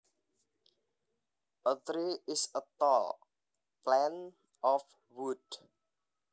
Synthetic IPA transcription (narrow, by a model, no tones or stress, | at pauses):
ʔət̪ɾiɪsət̪ɔl | plɛn | ɔf | wud̥